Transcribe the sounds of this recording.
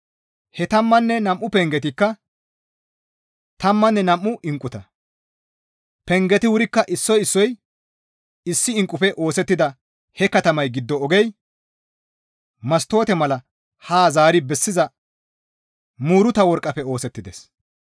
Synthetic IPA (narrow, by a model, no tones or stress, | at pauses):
hɛt̪ɐmːɐnːɛnɐmʔʊpɛŋɡɛt̪ɪkːɐ | t̪ɐmːɐnːɛnɐmʔːʊʔɪŋkʼːʊt̪ɐ | pɛŋɡɛt̪ɪwʊɾɪkːɐʔɪsːɔjɪsːɔj | ɪsːɪɪŋkʼːʊpɛʔo̞ːsɛt̪ːɪd̪ɐ | hɛkɐt̪ɐmɐjɡɪd̪ːɔːɡɛj | mɐst̪o̞ːt̪ɛmɐlɐ | haːzaːɾɪbɛsːɪzɐ | muːɾʊt̪ɐwɔɾkʼːɐpɛo̞ːsɛt̪ːɪd̪ɛs